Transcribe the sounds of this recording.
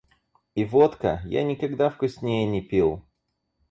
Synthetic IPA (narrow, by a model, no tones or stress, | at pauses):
ivot̪kə̰ja̰nʲɪkɐɡd̪afkʊsʲnʲejɪnʲɪpʲilˠ